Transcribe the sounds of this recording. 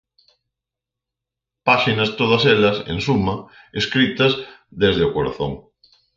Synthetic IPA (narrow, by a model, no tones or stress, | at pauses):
paʃinɐst̪oð̞ɐselɐsḛnsumɐ | eskɾit̪ɐzðezðeʊkoɾa̰θõ̰ŋ